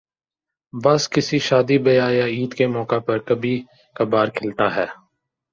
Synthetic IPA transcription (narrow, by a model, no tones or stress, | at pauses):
bɐskɪsiʃaːd̪ibɐjaːjaːiːd̪kemɔːkapɐɾkɐbʱi | kɐbaːɾkʰɪlt̪aːɦɛː